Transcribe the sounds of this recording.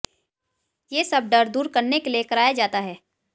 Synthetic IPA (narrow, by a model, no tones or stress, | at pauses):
jeːsɐb̚ɖɐɾd̪uːɾkɐɾnekeliekɐɾaːjad͡ʒaːt̪aɦɛː